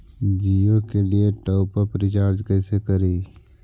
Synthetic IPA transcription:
d͡ʒijokelieʈɔːpəɾpɾɪt͡ʃaːɾd͡ʒkɛːsekɐɾiː

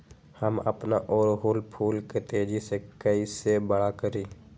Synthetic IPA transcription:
həmə̰pna̰ʔɔːɾɦuːlpʰuːlket̪eːd͡ʒisekəisebəɽakəɾiː

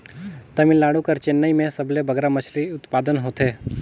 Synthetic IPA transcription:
t̪ɐmɪlːaːɽukɐɾt͡ʃenːəimẽsɐblebəɡɾamɐʃɾiʊt̪paːd̪ənɦoːt̪ʰeː

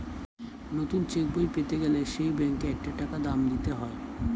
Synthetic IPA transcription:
not̪unt͡ɕek̚bojpet̪eɡeleʃejbɛŋkeɛk̚ʈaʈakad̪amd̪it̪eɦɔe

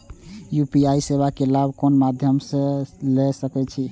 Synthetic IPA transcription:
jupiaisebakelabʱkonmad̪ʱjəmsẽlɛsəkɛt͡ʃʰi

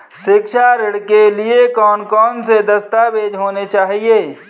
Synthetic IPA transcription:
ʃɪkʃʰaɾɪɽkeliekɔːnkɔːnsed̪ɐst̪aʋeːd͡ʒʱɦoːnet͡ʃaːɦieː

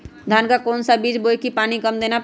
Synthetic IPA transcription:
d̪ʱaːnkakɔːnsabiːd͡ʒboːjkipaːnikəmd̪eːna

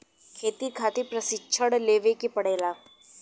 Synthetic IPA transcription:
kʰeːt̪ikʰaːt̪epɾɐsɪt͡ʃʰəɽleːʋekepɐɽeːlaː

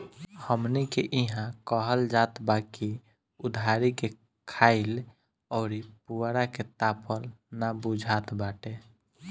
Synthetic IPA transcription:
həmnikeʔiɦãkəɦəld͡ʒat̪baki | ud̪ʱaɾike | kʰaɪl | ɔːɾipuɾaket̪apʰəlnabud͡ʒʱat̪baʈe

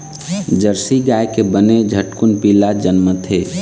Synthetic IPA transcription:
d͡ʒəɾsiɡaekebəned͡ʒʱəʈkunpilad͡ʒənmət̪ʰe

